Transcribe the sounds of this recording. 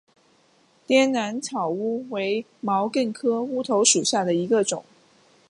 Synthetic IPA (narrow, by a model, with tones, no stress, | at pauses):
t̪jɛ˥nna˧˥nt͡sʰɑ˨˩ʊu˥we˧˥ɪ | mɑ˧˥ʊkə˥˩nkʰɤ˥u˥t̪ʰo˧˥ʊʂu˨˩ɕja˥˩d̪ə˩i˧˥ɡə˧ʈ͡ʂʊ̰˨˩˦ŋ